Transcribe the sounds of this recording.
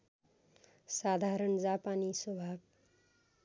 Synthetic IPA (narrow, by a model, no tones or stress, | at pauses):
sad̪ʱaɾʌɳd͡zapaniswʌbʱab